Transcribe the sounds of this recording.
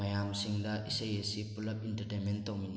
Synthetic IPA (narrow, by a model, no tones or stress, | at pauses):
ajamsiŋdaʔisejesipulap̚int̪ərt̪ɛmɛnt̪omin